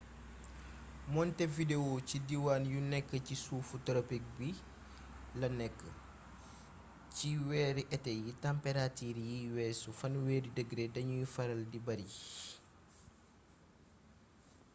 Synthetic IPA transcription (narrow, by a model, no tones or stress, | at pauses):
mɔntɛvidewocidiwaːnjunɛkːəcisuːfutɔɾɐpik̚bi | lɐnɛkːə | ciwɛːɾiʔɛtɛjitɐmpɛɾatiːɾjiwɛːsufɐnwɛːdidəɡɾedɐɲujufɐɾɐldibɐɾi